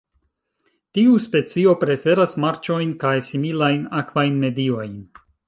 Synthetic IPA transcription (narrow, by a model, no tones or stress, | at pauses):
tiuspe̞t͡sio̞pɾe̞fe̞ɾasmaɾt͡ʃo̞jnkajsimilajnakvajnme̞dio̞jn